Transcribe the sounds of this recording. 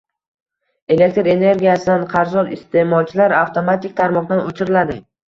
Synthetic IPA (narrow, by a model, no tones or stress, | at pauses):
e̞le̞k̚ʲt̪ɾe̞ne̞ɾɡʲijasɪd̪anqʰɑɾzɒɾɪst̪ʰe̞mɒlˠt͡ʃʰɪlaɾaft̪ʰo̞mat̪ʰik̚ʲt̪ʰaɾmɒq̚d̪anot͡ʃʰɪɾɪlad̪ɪ